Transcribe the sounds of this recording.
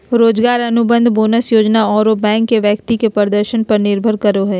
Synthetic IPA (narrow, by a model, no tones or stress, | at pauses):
ɾoːd͡ʒɡaːɾɐnʊbə̃nd̪ʱboːnəsjoːd͡ʒnaɔːɾobɛ̃ːŋkːeʋjəkt̪ikepəɾd̪əɾʃənpɐɾnɪɾbʱəɾkəɾoɦɛː